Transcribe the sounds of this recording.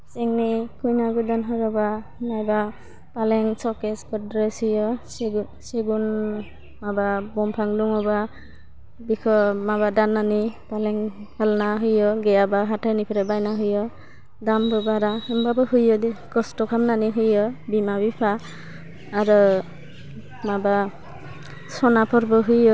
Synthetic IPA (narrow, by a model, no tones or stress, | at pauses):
sɛŋnikʰujnaɡudɔnɦɔɾɔba | najba | palɛŋsɔkesbɔdɾeshɯjɔseɡ | seɡun | mababɔmpʰaŋduŋɔba | bikʰɔmabadanːanipalɛŋhalnaɦujɔɡɛjabaɦatʰanipʰiɾɛbajnaɦujɔ | dambɔbaɾaɯmbabɯɦujɔdɛkɔstɔkʰamnaniɦujɔbimabipʰaː | ɾɔ | maba | sɔnapʰɔɾbɯɦujɔ